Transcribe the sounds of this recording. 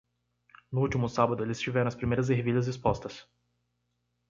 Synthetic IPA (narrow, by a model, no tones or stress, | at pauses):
nʊut̪imʊsabɐd̪ʊelʲisʒivɛɾɐ̃ɐspɾimeɾɐz̬eɦviʎʲɐzispɔst̪ɐs